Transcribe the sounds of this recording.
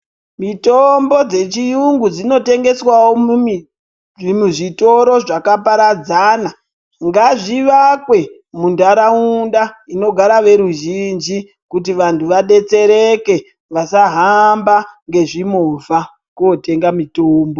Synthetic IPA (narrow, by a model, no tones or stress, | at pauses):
mitombo̞d͡ze̞t͡ʃijuŋɡud͡zino̞te̞ŋɡe̞swawo | muʐito̞ɾo̞ʐakapaɾad͡zaːna | ŋɡaʐiʋakwe̞ | mundaɾaundaino̞ɡʱaɾaʋe̞ɾuʒind͡ʒi | kut̬iʋantʰuʋaɗe̞t͡se̞ɾe̞ke̞ | ʋasaɦambaŋɡe̞ʐimova | kote̞ŋɡamitoːmbo